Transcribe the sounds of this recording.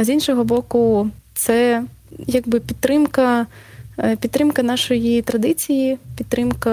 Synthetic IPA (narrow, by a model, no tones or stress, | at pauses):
zʲinʃɔɦɔbɔkʊt̪sɛ | jaɡbɪpʲit̪ːɾɪmkɐ | pʲit̪ːɾɪmkɐnɑʃɔjit̪ɾɐd̪ɪt͡sʲijipʲidt̪ːɾɪmkɐ